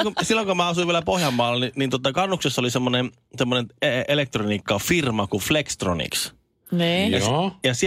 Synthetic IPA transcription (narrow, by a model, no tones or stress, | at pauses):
osilːoŋkomæːɑsuiʋieælæpohjɑmːɑːlːˑeninint̪uot̪ːˑɑkɑnːuksesːolisemːonem | semːoneneelek̚t̪roniːkːɑfirmɑkuflekst̪ro̰nḭks | niːjɑjɑsi